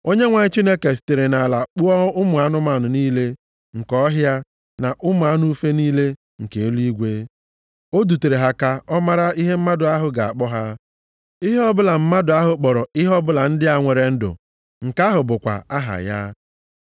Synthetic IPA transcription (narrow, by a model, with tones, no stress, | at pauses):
o˦ɲe˦ŋʷa˨ɲɪ˦t͡ʃi˦ne˦ke˨ste˨ɾe˨na˨la˨k͡pu˦ɔ˦ʊ˦mʊ˨a˦nʊ˦ma˨nʊ˨niː˦le˦ | ŋ̩˨kɔ˦ɦja˦ | na˨ʔʊ˦mʊ˨a˦nu˦u˦fe˦niː˦le˦ | ŋ̩˨ke˨e˦li˦ɡʷe˦ | o˦du˨te˨ɾe˨ɦa˨ka˦ɔ˦ma˦ɾa˦i˦ɦe˦m̩˦ma˦dʊ˨a˦ɦʊ˨ɡa˨a̰˨k͡pɔ˦ɦa˦ | i˦ɦe˦ɔ˦bʊ˦la˨m̩˦ma˦dʊ˨a˦ɦʊ˨k͡pɔ˨ɾɔ˨i˦ɦɔ˦bʊ˦la˨n̩˦dɪ˦a˨ŋʷe˨ɾe˨n̩˦dʊ̰˨ | ŋ̩˨ka˦ɦʊ˨bʊ˨kʷa̰˨a˦ɦa̰˨ja̰˦